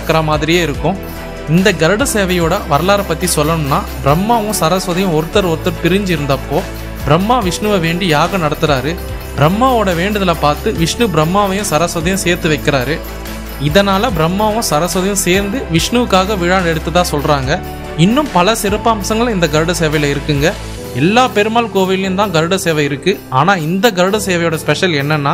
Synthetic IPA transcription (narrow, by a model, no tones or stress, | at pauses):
kːɐɾɐmaːðɪɾɪjeːɪɾɯkːʊ̃ | ɪnd̪ɐɡɐɾɽɯseːʋɐjoːɽɐʋɐɾɐlaːɾɐpːɐt̪ːisɔlːɐnɯmnːaːbɪɾɐmːaːʋʊ̃sɐɾɐsʋɐðɐjʊ̃ɔɾɯt̪ːɐɾɔɾɯt̪ːɐɾp̪ɪɾɪɲd͡ʒɪɪɾɯnd̪ɐpːoː | bɪɾɐmːaːʋɪʂɳɯʋɐʋeːɳɖijaːɣɐnɐɽɐt̪ːɯɾaːɾɯ | b̥ɪɾɐmːaːoːɽɐʋeːɳɖɐðɐlɐpaːɾt̪ɯʋɪʂɳɯbɾɐmːaːʋɐjʊ̃sɐɾɐsʋɐðɐjʊ̃seːɾt̪ɯʋɐɪkːɪɾaːɾɯ | ɪðɐnaːlɐbɪɾɐmːaːʋʊ̃sɐɾɐsʋɐðɐjʊ̃seːɾnd̪ɯʋɪʂɳɯʋɯkːaːɣɐʋɪɻaːnɛɽɯt̪ːɯt̪ːãːsɔlɾaːŋɡɐ | ɪnːɯmpɐlɐsɪɾɐpːɐɐmsɐŋɡɐɭɪnd̪ɐɡɐɾɯɽɐseːʋɐjlɐɪɾɯkːɯŋɡɐ | ɛlːaːpeɾɯmaːlkoːʋɐjɪlɐjʊ̃mt̪ãːɡɐɾɯɽɐseːʋɐɪɾɯkːɯaːnaːɪnd̪ɐɡɐɾɯɽɐseːʋɐjoːɽɐspɛʂɐlɛnːɐnːaː